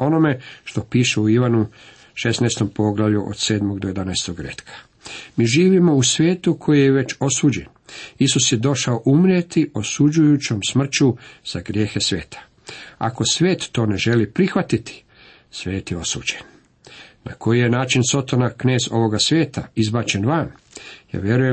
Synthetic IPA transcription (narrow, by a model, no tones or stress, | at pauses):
o̞no̞me̞ʃt̪o̞piːʃuuiʋanu | ʃe̞snajst̪o̞mpo̞ɡlˠaʋʎuʔo̰d̪̥seːd̪mo̞ɡd̪oje̞d̪anajst̪oɡɾḛt̪kʰḁ | miːʒiːʋimo̞usʋʲjeːt̪ukʰo̞jijeʋe̞t͡ʃo̞suːd͡ʑe̞n | isusjed̪o̞ʃaoʔumɾjet̪iʔo̞sud͡ʒujut͡ɕo̞msmr̩t͡ɕuz̥aɡɾje̞ːxe̞sʋḛːt̪ʰḁ | a̰ko̞sʋeːt̪ːo̞ːne̞ʒe̞lipɾixʋat̪it̪ʰi̥ | sʋe̞ːt̪jeo̞sṵːd͡ʑen | na̰kʰo̞jijenaːt͡ʃinso̞t̪onakne̞ːzo̞ʋo̞ɡasʋjeːt̪a̰izbaːt͡ɕe̞nʋan | ja̰ːʋje̞ɾuje